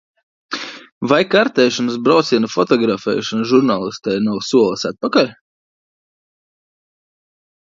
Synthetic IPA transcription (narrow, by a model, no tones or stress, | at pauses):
vajkaɾt̪ɛːʃɔnɐsbɾawt̪siɛnufɔt̪ɔɡɾafɛ̰ːʃɔnʒuɾnaːlˠist̪ɛjnawsuɔlˠɐsat̪̚pakalʲ